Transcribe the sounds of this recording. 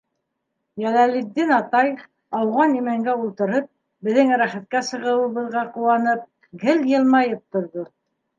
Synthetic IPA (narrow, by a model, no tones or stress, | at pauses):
jælælid̪ːinɑt̪ɑj | ɑwʁɑnimæŋɡæulˠt̪ɤ̆ɾɤp̚ | bɘ̆ðɘŋɾæχæt̪̚kæsɤ̆ʁɤ̆wɤ̆βɤ̆ðʁɑqŭwɑnɤp̚ | ɡɘljɤ̆lˠmɑjɤp̚t̪ŏɾðo